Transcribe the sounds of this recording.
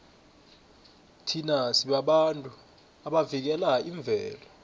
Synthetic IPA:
tʰinasiɓaɓantʼu | aɓavik̬ɛlaiɱb̪vʱɛːlɔ

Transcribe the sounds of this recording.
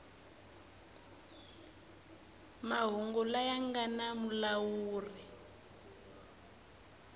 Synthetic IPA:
maɦɔŋɡɔlajaŋɡanamulawuːri

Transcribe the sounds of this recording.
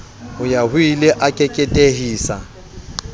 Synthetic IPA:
ʊjahʊileʔakʼɛkʼɛtʼeɦiːsa̰

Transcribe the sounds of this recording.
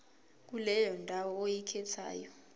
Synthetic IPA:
k̬ulɛjɔndʱawɔojikʰɛtʰa̰ːjɔ

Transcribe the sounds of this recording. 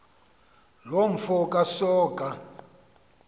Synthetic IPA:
loɱ̩fɔkʼasɔːkʼa

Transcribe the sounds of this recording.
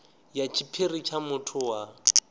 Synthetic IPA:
jat͡ʃʰipʰerit͡ʃʰamʊtʰʊwa

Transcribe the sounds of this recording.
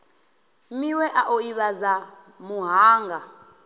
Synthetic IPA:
miwɛʔaʔoiɓaza | muɦaːŋɡʱa

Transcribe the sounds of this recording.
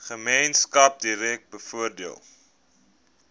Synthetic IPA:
χəmejnskɐp̚diɾɛk̚t̚bəfuərdiəlˠ

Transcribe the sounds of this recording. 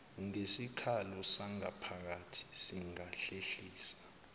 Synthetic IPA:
uŋesikʰalɔsaŋa̰pʰak̬atʰi̥siŋaɬeɬiːsḁ

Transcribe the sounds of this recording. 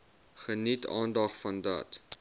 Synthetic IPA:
χənitʰɑ̰ːndɐχfɐndɐ̰t

